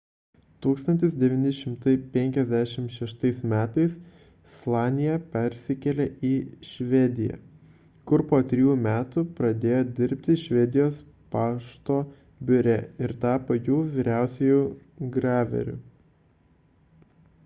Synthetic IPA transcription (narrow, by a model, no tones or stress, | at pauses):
t̪uːkst̪ɐnʲt̪ʲɪs̬d̪ʲɛʋʲɪnʲɪʃʲɪmt̪ɐɪpʲɛŋʲkʲɛzʲd̪ʲæʃʲɪmʃʲɛʃt̪ɐɪsmʲæːt̪ɐɪs | slˠɑːnʲɪjɛpʲɛɾʲsʲɪkʲɛlʲɛʔiʃʲʋʲɛd̪ʲɪjɛ̰ | kʊɾpoːt̪ʲɾʲɪjuːmʲæːt̪upɾɐd̪ʲeːjoːd̪ʲɪɾʲpʲt̪ʲɪʃʲʋʲɛd̪ʲɪjoːs | pɑːʃt̪oː | bʲʊɾʲɛɪɾt̪ɑːpɐjuːʋʲiːɾʲæˑʊsʲɛjuːɡɾɑːʋʲɛ̰ɾʲʊ̰